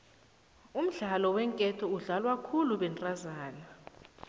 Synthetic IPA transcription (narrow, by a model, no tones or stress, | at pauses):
um̩ɮalɔwɛŋkʼɛtʰɔuɮalwakʰuluɓɛntʼazaːna